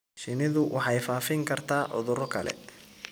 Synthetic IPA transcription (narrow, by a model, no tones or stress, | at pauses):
ʃɪnɪðʊwʔɑħɑjfaːfɪŋkʰɐrt̪ʰaːʕʊ̰ðʊɾɔkʰɐlɛ̰